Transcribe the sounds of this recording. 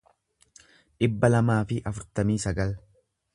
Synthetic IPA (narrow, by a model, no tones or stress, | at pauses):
ᶑɪbːɐlɐmaːfɪʔɐfʊɾt̪ɐmiːsɐɡɐl